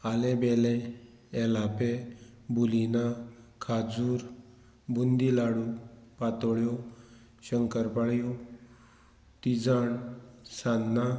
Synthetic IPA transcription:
alebɛleː | lapebulinakʰad͡zuːɾ | bund̪ilaɽũpat̪ɔɭjɔ | ɕəŋkəɾpaɭjɔ | t̪id͡zaɳsanːa

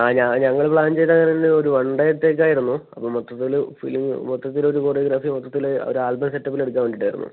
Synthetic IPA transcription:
aːɲaɲɐŋːɐɭpɭaːnd͡ʑe̞jt̪ːɐŋːɐnendeoɾuʋɐɳɖɐeɽt̪ːeːk̬ʲːaːjiɾunːuɐpːoːɭmot̪ːɐt̪ːilfḭliŋmot̪ːɐt̪ːilo̞ɾuko̞ːrijoɡɾaːfimot̪ːɐt̪ːilo̰ɾuaːlbɐmseʈːɐpːile̞ɽukːaːnmeɳɖiʈːaːjiɾunːṵ

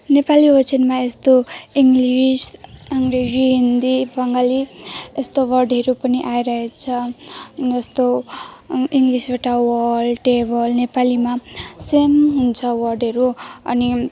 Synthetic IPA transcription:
nepaliɦʌt͡sinmaest̪oiŋɡlisaŋɡreziɦind̪ibʌŋɡaliest̪owʌrɖʌɾupʌniʔaiɾʌɦet͡sʰʌ | d͡zʌst̪o | iŋɡlisbaʈawʌlʈebʌlnepalimasemɦunt͡sʰʌwʌrɖʌɾuʌ̰ni

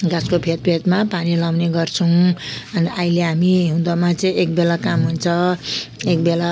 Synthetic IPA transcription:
ɡaskopʰet̪̚pʰet̪mapanilaw̃neɡʌrt͡sʰʌw̃ʌnaileɦamiɦũd̪ʌmat͡sʌĩek̚belakamɦunt͡sʰʌ | ek̚bela

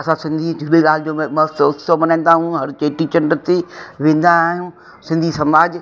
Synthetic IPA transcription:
ɐsãsɪ̃nd̪ʱid͡ʑʱʊɗeɠaːlɪd͡ʑoːmmɐʊsomɐnaːnd̪aːɦũɦɐɾt͡ɕeːʈit͡ɕɐnɖəɾt̪iʋẽːn̆d̪aːɦijũ | sɪ̃nd̪ʱisɐmaːd͡ʑ

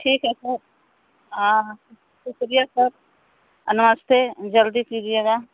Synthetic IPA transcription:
ʈʰiːkɦɛsəɾ | ɦã | sʊkɾijasəɾ | ɐnməst̪ʰed͡ʒɐld̪ipid͡ʒieːɡa

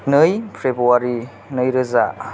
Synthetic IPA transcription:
nɯjpʰɾebuaɾi | nɯjɾɯza

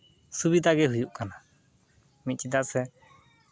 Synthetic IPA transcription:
subid̪aɡɛɦujuʔkana | mit̪̚t͡ʃid̪aʔsɛ

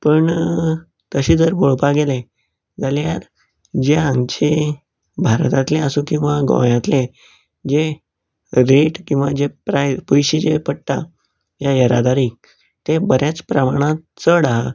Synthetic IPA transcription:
pəɳ | t̪əɕiːd͡zəɾboɭpaɡelẽ | d͡zaljaɾ | d͡ʑeãŋɡt͡ɕe | bʱaɾt̪at̪lẽəsũkĩw̃ʋaɡõ̰jãt̪lẽ | d͡ʑe | ɾeʈkĩw̃ʋad͡ʑepɾajpujɕid͡ʑepəɽʈ̪a̰ | jajəɾa̰d̪aɾi | t̪ebəɾjat͡spɾəmaɽ̃a | t͡səɽaɦa

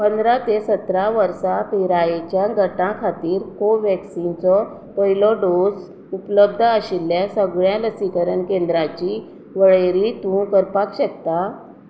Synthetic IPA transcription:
pənd̪ɾat̪esət̪ɾaʋəɾsapiɾajet͡ɕjaɡʱəʈãkʰat̪iːɾkoʋɛksint͡sɔ | pəilɔɖos | upləb̚d̪ʱəɕilːjasəɡɭjãləsikəɾənkẽnd̪ɾãt͡ɕi | ʋəɭeɾit̪ũkəɾpakɕəkt̪a

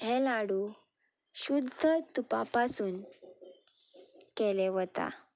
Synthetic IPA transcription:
ɦɛlaɽu | ɕud̪ʱət̪upapasuːn | kɛleʋt̪a̰

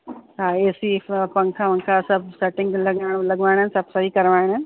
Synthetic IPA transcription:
ɦaːeːsipɐ̃ŋkʰaʋɐ̃ŋkʰasɐb̚seʈɪ̃ŋɡlɐɡaːɪɽlɐɡʋaːɪɽ̃ənsɐb̚sɐɦikɐɾʋaːɪɽə

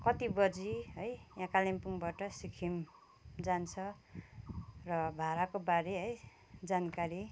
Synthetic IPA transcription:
kʌt̪ibʌd͡ziɦʌjjãkalimpuŋbaʈʌsikʰim | d͡zant͡sʰʌ | rʌbʱaɾakobaɾeɦʌj | d͡zankaɾi

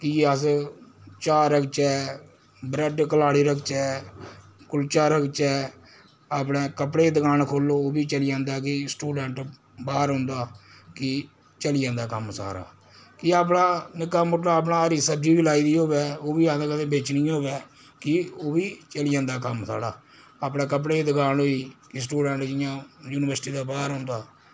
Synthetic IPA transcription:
kɪeəs | t͡ʃaːɾəkt͡ʃɛː | bɾeɖkəlaːɽiːɾəkʰt͡ʃɛː | kʊlt͡ʃaːɾəkʰt͡ʃɛː | aːpɽẽːkəpɽeːd̪əkaːnkʰoːlːoːoːbiːt͡ʃəlɪjãːnd̪aːkɪsʈuːɖɛɳʈ | baːɾɦʊ̃nd̪aː | kɪ | t͡ʃəlɪjãːnd̪aːkəmsa̰ːɾa̰ː | kɪaːp̬ɽaːnɪkaːmʊʈlaːp̬naːɾiːsəbd͡ʒiːbiːlaːiːd̪iːɦoːʋɛːoːbiːãːd̪aːkəd̪ẽːbeːt͡ʃnĩːɦoːʋɛː | kɪoːbiːt͡ʃəlɪjãːnd̪aːkəmsa̰ːɽaː | aːpɽẽːk̬əp̬ɽeːd̪əkaːnɦoːiːkɪsʈuːɖɛ̃ːɳʈd͡ʒɪjãːjuːnɪʋəɾsʈiːd̪aːbaːɾɦʊ̃nd̪aː

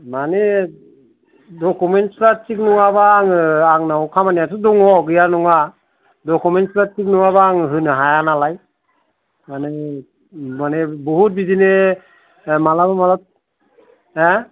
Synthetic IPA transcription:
mane | dɔkumentsɾat͡ʃik̚nuŋabaːŋaŋnaɔkʰamanijatʰudɔŋɔɡɯjanɔŋa | dɔkumentslat͡ʃik̚nuŋaβaːŋɦɯnɯɦajanalaj | mane | manebɔɦut̚bidine | malabamalat̚ | ɛ

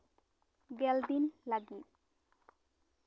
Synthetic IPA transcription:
ɡɛld̪inlaɡit̪̚

